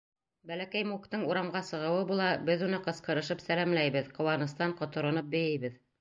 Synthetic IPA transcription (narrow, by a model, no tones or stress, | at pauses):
bælækæjmukt̪ɤɴuɾɑmʁɑsɤ̆ʁɤ̆wɤbulˠɑbɘðunɤqɤ̆sqɤ̆ɾɤ̆ʃɤpsælæmlæjβɘðqŏwɑnɤ̆st̪ɑɴqŏt̪ŏɾŏnɤp̚bɵ̆jɘjβɘð